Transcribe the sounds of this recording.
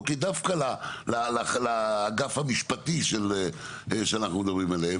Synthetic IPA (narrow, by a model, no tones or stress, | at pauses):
kid̪afkalalalalaːɡafhamiʃpat̪iʃele | ʃeanaχnumed̪abʁimalehe